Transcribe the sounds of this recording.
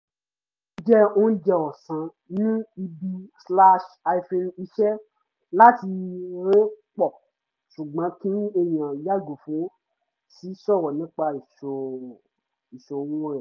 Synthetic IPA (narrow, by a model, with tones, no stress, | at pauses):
d͡ʒɛ˦o˦n̩˦d͡ʒɛ˧ɔ˨sã˧˦ | nĩ˦i˧bi˧sla˦ʃa˧i˧fe˧ni˧ʃɛ˦ | la˦ti˧ɾe˦k͡pɔ˦˨ | ʃu˨ɡ͡bã˨˦kĩ˦e˧j̃ã˨ja˦˨ɡu˨fũ˨˦ | si˨˦sɔ˦˨wɔ˨nĩ˨˦k͡pa˧i˨ʃo˨ | i˨ʃo˨˧wɔ̃˦ɾɛ˦˨